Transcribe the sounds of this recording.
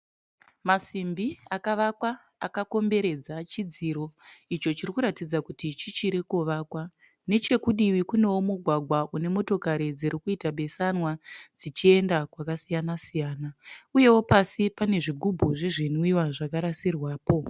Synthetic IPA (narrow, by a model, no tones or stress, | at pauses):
masimbiakaʋakwaː | kako̞mbe̞ɾe̞d͡zat͡ʃid͡ziɾo̞it͡ʃo̞t͡ʃirikuɾatid͡zakutit͡ʃit͡ʃiɾekuʋaːkwa | ne̞t͡ʃe̞kuɗiwikune̞womuɡʱwaɡʱwaʔune̞mo̞to̞kaɾid͡ziɾikuitaɓe̞sanwad͡zit͡ʃie̞ndakwakasijanasijaːnauje̞wo̞pasipane̞ʐiɡʱubʱuʐe̞ʐin̤uiwaʐakaɾasirwaːpo̞